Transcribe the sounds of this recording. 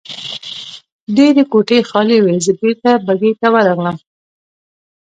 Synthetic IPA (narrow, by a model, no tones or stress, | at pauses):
ɖeɾekoʈexɑlewezəbet̪abaɡet̪awəɾaɣləm